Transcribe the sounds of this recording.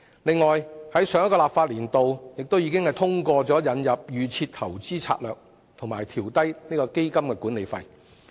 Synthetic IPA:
lɪ˨ŋːɔː˨jhɐ˨˥jsœː˨˧ŋɐ˥kɔː˧laː˨p̚faː˧t̚liː˨˩nt̪o˨wjɪ˨k̚t̪o˥wjiː˨˧kɪ˥ŋhɐ˨jt̪ʰʊ˥ŋkɔː˧t͡sɔː˨˥jɐ˨˧njɐ˨p̚jyː˨˧t͡sʰiː˧t̚t̪ʰɐ˨˩wt͡siː˥t͡sʰa̰ː˧˥t̚lœː˨k̚ | t̪ʰŋmaː˨jt̪ʰiː˨˩wt̪ɐ˥jniː˥kɔː˧ke˥jkɐ˥mkɛː˧kuː˨˥ne˨˧jfɐ̰˧j

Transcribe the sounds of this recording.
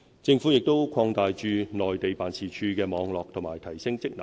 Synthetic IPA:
t͡sɪ˧ŋfuː˨˥jɪ˨k̚t̪o˥wkʰɔː˧ŋt̪aː˨jt͡ʃyː˧nɔː˨jt̪e˨jpaː˨nt͡sʰiː˨˩t͡ʃʰyː˧kɛː˧mɔː˨˧ŋlɔː˨k̚t̪ʰʊ˨˩ŋmaː˨jt̪ʰɐ˨˩jsɪ˥ŋt͡sɪ˥k̚nɐ̰˨˩˦

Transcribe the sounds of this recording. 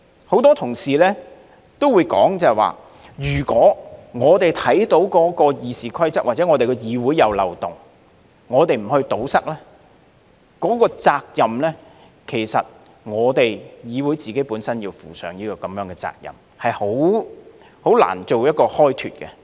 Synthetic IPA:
ho˨˥wt̪ɔː˥t̪ʰʊ˨˩ŋsiː˨lɛː˥ | t̪o˥wu˨˧jkɔ̰ː˨˥ŋt͡sɐ˨ɛ˨˩wa̰ː˨ | jyː˨˩kʷɔː˨˥ŋɔː˨˧t̪e˨jt̪ʰɐ˨˥jt̪o˨˥wkɔː˨˥kɔː˧jiː˨siː˨kʰɐ˥jt͡sɐ˥a˨t͡sɛ˨˥ŋɔ˨˧t̪e˨jkɔ˧jiː˨˧wuː˨˥jːɐ˨˧wlɐ̰˨wt̪ʊ˨ŋ | ŋɔː˨˧t̪e˨jm̩˨˩hɵ˧ɥt̪o˨˥wsɐ˥k̚lɛː˥ | kɔː˨˥kɔː˧t͡saː˧k̚jɐ˨mlɛː˥ | kʰe˨˩jsɐ̰˨t̚ | ŋɔː˨˧t̪e˨jjiː˨˧wuː˨˥jt͡siː˨ke˨˥jpuː˨˥nsɐ˥njiː˧wfṵː˨˩sœ̰ː˨˥ŋniː˥kɔː˧kɐ˨˧mjœː˨˥ŋkɛ˧t͡sa̰ː˧k̚jɐ̰˨˩m | hɐ˨jho˨˥w | ho˨˥wla̰ː˨˩nt͡so˨wjɐ˥t̚kɔː˧hɔː˥jt̪ʰy̰ː˨t̚kɛ˧

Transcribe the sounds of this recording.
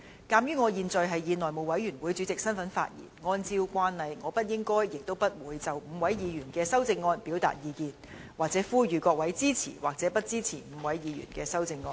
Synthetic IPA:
kaː˧mjyː˥ŋɔː˨˧jiː˨nt͡sɔ˨˧jɦɐ˨jjiː˨˧nlɔː˨jmo˨˩wɐ˨˥jyː˨˩nwuː˨˧jt͡syː˨˥t͡sɪ˨k̚sɐ˥nfɐ˨˥nfa̰ː˧t̚jḭ˨˩nŋɔː˧nt͡siː˧wkʷaː˥nhɐ˨jŋɔː˨˧pɐ˥t̚jɪ˥ŋkɔː˥jjɪ˨k̚t̪o˥wpɐ˥t̚wuː˨˧jt͡sɐ˨wm̩˨˧˥wɐ˨˥jjiː˨˧ɥyː˨˩nkɛː˧sɐ˥wt͡sɪ˧ŋːɔː˧npi˨˥wt̪a̰ː˨t̚jiː˨˧kiː˨˧nwaː˨˩t͡sɛː˨˥fuː˥jyː˨˧kɔː˧k̚wɐ˨˥jt͡siː˥t͡sʰḭː˨˩waː˨k̚t͡sɛː˨˥pɐ˥t̚t͡siː˥t͡sʰḭː˨˩m̩˨˧wɐ˨˥jjiː˨˧jy̰ː˨˩nkɛː˧sɐ˥wt͡sɪ˧ŋːɔː˧n

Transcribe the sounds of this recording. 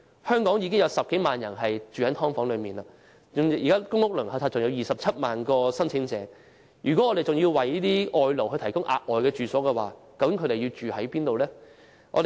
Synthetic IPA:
hœː˥ŋkɔː˨˥ŋjiː˧k̬ɪ˥ŋjɐ˨˧wsɐ˨p̚ke˨˥jmaː˨njɐ˨˩nɦɐ˨jt͡ʃyː˨hɐ˨˥jt̪ʰɔː˥ŋfɔː˨˧˥ŋlɵ˨˧ɥmiː˨˩nla˧˩ | ʊ˨ŋiː˨kaː˥kʊ˥ŋlʊ˥k̚lɵ˨˩ha˧˥tt͡sʰaː˧t͡sʊ˨ŋjɐ˨˧wjiː˨˩sɐ˨p̚t͡sʰɐ˥t̚maː˨nkɔː˧sɐ˥nt͡sʰɪ˨˥ŋt͡sɛː˨˥ | jʔyː˨kɔ˨˥ŋɔː˨˧ɾe˨˩jt͡sʊ˨˩ŋjiː˧wwɐ˨˩jiː˥t̪iː˥ʔɔː˧jlo˨˩whɵ˧ɥt̪ʰɐ˨˩jkʊ˥ŋʔa̰ː˧k̚ʔɔː˨jkɛː˧t͡ʃyː˨˩sɔː˨˥kɛ˧waː˨˩kɐ˨˧wkɪ˨˥ŋkʰɵ˧t̪e˨ji˧wt͡ʃyː˨hɐ˨˥jpiː˥nt̪o˨wlɛː˥ | ŋʔɔ̰˧d̪e˨

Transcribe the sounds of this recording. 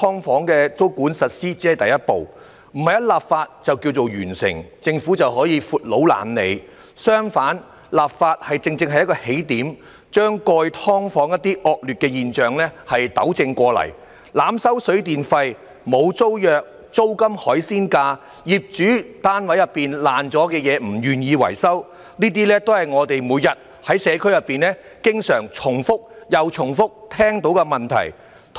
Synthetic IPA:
t̪ʰɔː˥ŋfɔː˨˥ŋkɛː˧t͡so˥wkuː˨˥nsɐ˨t̚siː˥t͡si˨˥hɐ˨jt̪ɐ˨jɐ˥t̚po˨w | m̩˨˩ɐ˨˩jɐ˥t̚laː˨˩p̚faː˧t̚t͡sɐ˨wkiː˧wt͡so˨wjyː˨˩nsɪ̰˨˩ŋt͡sɪ˧ŋfuː˨˥t͡sɐ˨wɦɔː˨˥jiː˨˧fuː˨˧t̚lo˨˥wla̰ː˨˩nlḛ˨˧j | sœː˥ŋfaː˨˥n | laː˨p̚faː˧t̚hɐ˨jt͡sɪ˧ŋt͡sɪ˧ŋɦɐ˨jɐ˥t̚kɔː˧he˨˥jt̪iː˨˥m | t͡ʃœː˥ŋkɔː˧jt̪ʰɔː˥ŋfɔː˨˥ŋjɐ˥t̪̚ːiː˥ʔɔː˨k̚lyː˨t̚kɛː˧jiː˨nt͡ʃœː˨˩ŋlɛː˥hɐ˨jt̪ɐ̰˨˥wt͡sɪ˧ŋkʷɔː˧lɐ̰˨˩j | laː˨˧msɐ˥wsɵ˨˥ɥt̪iː˨nfɐ˧j | mo˨˧wt͡so˥wjœː˨˧k̚ | t͡so˥wkɐ˥mhɔː˨˥jsiː˥nkaː˧ | jiː˨p̚t͡ʃyː˨˥t̪aː˥nwɐ˨˥jɐ˨pːiː˨nlaː˨nt͡sɔː˨˥kɛː˧jɛː˨˧m̩˨˩jyː˨˩njiː˨˧wɐ̰˨˩jsɐ˥w | niː˥t̪̬iː˥lɛː˥t̪o˥whɐ˨jŋɔː˨˧t̪e˨jmuː˨˧jɐ˨t̚ | hɐ˨˥jsɛː˨˧kʰɵ˥ɥjɐ˨pːiː˨nlɛ˥ | kɪ˥ŋsœː˨˩ŋt͡sʰʊ˨˩ŋfʊ˥k̚jɐ˨wt͡ʃʰʊ˨˩ŋfʊ˥k̚t̪ʰɛː˥ŋt̪o˨˥wkɐ˧mɐ˨˩nt̪ʰɐ̰˨˩j | t̪ʰ

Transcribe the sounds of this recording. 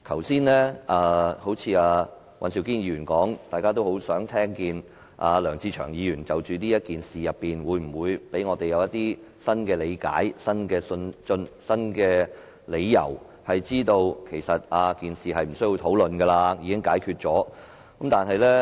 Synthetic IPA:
k̪ʰɐ˨˩wsiː˥nlɛː˥aː˧ho˨˥wt͡sʰiː˨˧aː˧ | wʔɐ̰˨˧nsi˨˧wkiː˥njiː˧jyː˨˩nkɔː˨˥ŋt̪aː˨jkaː˥t̪̬o˥who˨˥wsœː˨˥ŋt̪ʰɛː˥ŋkiː˨˧n | ʔa̰ː˧lœː˨˩ŋt͡sʰiː˧t͡ʃʰœː˨˩ŋjiː˨˧jyː˨˩nt͡sɐ˨wt͡ʃyː˨˧niː˥jɐ˥t̚kiː˨nsiː˨˩jɐ˨pːiː˨nwuː˨˧jm̩˨˩wuː˨˧jpe˨˥jŋɔː˨˧t̪e˨jɐ˨˧wjɐ˥t̪iː˥ | sɐ˥nkɛː˧le˨˧jka̰ː˨˥jsɐ˥nkɛː˧sɵ˧nt͡sɵ˧nsɐ˥nkɛː˧ | le˨˧jːɐ̰˨˩w | hɐ˨jt͡siː˥t̪o˧wkʰe˨˩jsɐ˨t̚aː˧kiː˨nsiː˨ɦɐ˨jm̩˨˩sɵ˥ji˧wt̪ʰo˨˥wlɵ˨nɡɛ˧laː˧jiː˨˧kɪ˥ŋkaː˨˥jkʰyː˧t̚t͡ʃɔː˨˥ | kɐ˨˥mt̪aː˨nhɐ˨jlɛː˥

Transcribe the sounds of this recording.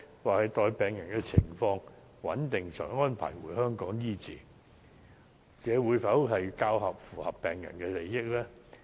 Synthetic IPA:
waː˨hɐ˨˧jt̪ɔː˨jpɛː˨ŋjɐ˨˩nkɛː˧t͡sʰɪ̰˨˩ŋfɔː˧ŋ | wɐ̰˨˥nt̪ɪ˨ŋt͡sʰœ̰ː˨˩ŋɔː˥npʰa̰ː˨˩jwṵː˨˩jhœː˥ŋkɔː˨˥ŋjiː˥t͡sḭː˨ | t͡sɛː˨˧wuː˨˧jfɐ˨˥whɐ˨jkaː˧wɦɐ˨p̚fuː˨˩hɐ˨pːɛː˨˩ŋjɐ̰˨˩nkɛː˧le˨jːɪ˥k̚lɛː˥

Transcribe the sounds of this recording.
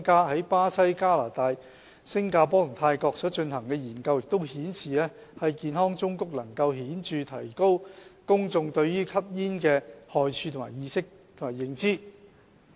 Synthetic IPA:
kaː˥hɐ˨˥jpaː˥sɐ˥jkaː˥la̰ː˨˩t̪aː˧j | sɪ˥ŋkaː˧p̬ɔː˥t̪ʰŋt̪ʰaː˧jkɔː˧k̚sɔː˨˥t͡ʃɵ˧nhɐ˨˩ŋkɛː˧jiː˨˩nkɐ˧wjɪ˨k̚t̪o˥whiː˨˥nsiː˨lɛː˥hɐ˨jkiː˨˧nhɔː˥ŋt͡sʊ˥ŋkʊ˥k̚lɐ˨˩ŋkɐ˧wɦiː˨˥nt͡ʃyː˨˧t̪ʰɐ̰˨˩jko˥wkʊ˥ŋt͡sʊ˧ŋt̪ɵ˧ɥːyː˥kʰɐ˥p̚jiː˥nkɛː˧hɔː˨jt͡ʃʰyː˧t̪ʰʊ˨˩ma̰ː˨˩jiː˧sɪ˥k̚ | t̪ʰmaː˨˩jɪ˨˧ŋt͡siː˥

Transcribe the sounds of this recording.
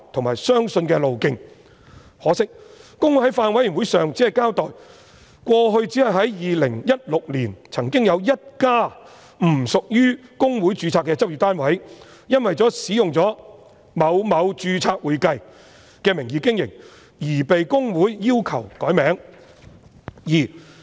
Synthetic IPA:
t̪ʰʊ˨˩ŋmaː˨˩jsœː˥ŋsɵ˧nkɛː˧lo˨wkɪ˧ŋ | hɔː˨˥sɪ˥k̚ːʊ˥ŋhɐ˨˥jfaː˧nwɐ˨˥jɪ˨˩ŋwu˨˥jsœː˨ŋt͡siː˨˥hɐ˨jkaː˥wt̪ɔː˨j | kʷɔː˧ɦɵ˧ɥt͡siː˨˥hɐ˨jɦɐ˨˥jjiː˨lɪ˨˩ŋjɐ˥t̚lʊ˨k̚liː˨˩nt͡sʰɐ˨˩ŋkɪ˥ŋjɐ˨˧wjɐ˥t̚kaː˥ | m̩˨˩sʊ˨k̚jyː˥kʊ˥ŋwu˨˥jt͡ʃyː˧t͡sʰaː˧kːɛː˧t͡sɐ˥p̚jy˨t̪aː˥nwɐ˨˥j | jɐ˥nwɐ˨jt͡sɔː˨˥siː˨˥jʊ˨ŋt͡sɔː˨˥ | mɐ˨˧wmɐ˨˧wt͡ʃyː˧t͡sʰaː˧k̚wuː˨˧jkɐ˧j | kɛː˧mɪ˨˩ŋjiː˨˥kɪ˥ŋjɪ̰˨˩ŋ | jiː˨˩pe˨jkʊ˥ŋwuː˨˥jːiː˥wkʰɐ˨˩wkɔː˨˥jmɛː˨˥ŋ | jiː˨˩

